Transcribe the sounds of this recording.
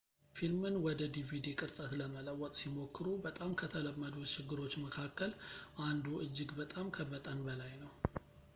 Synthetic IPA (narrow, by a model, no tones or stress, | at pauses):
filmɨnwɔd̪əd̪ivid̪ikʼɨɾsʼət̪ləmələwːɔt̪ʼsimo̞kːɨɾubət̪ʼamkʰət̪ʰələmːəd̪ut̪t͡ʃɪɡːɨɾo̞t͡ʃːməkʰakːəlʔand̪uʔɨd͡ʒːɨɡbət̪ʼamkʰəβət̪ʼənbəlajnəw